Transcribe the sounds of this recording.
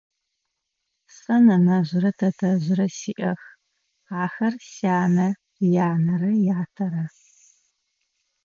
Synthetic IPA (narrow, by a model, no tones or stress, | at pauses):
sʼɐnɐnɐʑɪɾɐtʰɐtʰɐʑɪɾɐsiːʔɐ̰x | aːxɐrsaːnɐ | jaːnɐrɐjaːtʰɐɾɐ